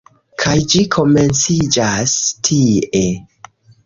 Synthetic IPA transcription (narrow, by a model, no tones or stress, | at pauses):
kʰajd͡ʒikʰo̞me̞nt͡sid͡ʒastʰie